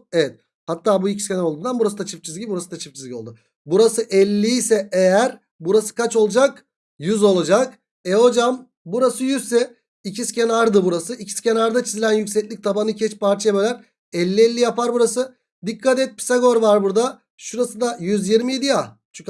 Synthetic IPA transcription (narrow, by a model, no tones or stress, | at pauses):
evɛt̪̚ | hat̪ːaːbuicʰi̥scʰe̞naɾolˠd̪uːnd̪anbuɾasɯd̪at͡ʃʰɯft͡ʃʰizʲiɟibibuɾasɯd̪at͡ʃʰɯ̥f̚t͡ʃʰizlʲico̞lˠd̪ʊ | buɾasɯʔɛlʲːiisɛejæɾ | buɾasɯ̥kʰat͡ʃo̞lˠud͡ʒak | jyzo̞lˠad͡ʒak | ɛo̞d͡ʒam | buɾasɯjyzsɛ | icʰiscʰenaɾd̪ɯbuɾasɯʔicʰi̥scʲʰe̞naɾd̪at͡ʃʰizilʲænjycʲsɛclʲic̚t̪ʰabanɯcʰɛt͡ʃpʰaɾt͡ʃʰajebølʲæɾ | ɛlʲːiɛlʲːijapaɾbuɾasɯ | d̪ikʰːat̪̬ɛt̪̚pʰi̥saɡo̞ɾvaɾbuɾd̪a | ʃuɾasɯd̪ajyzjiɾmijed̪ijat͡ʃʰy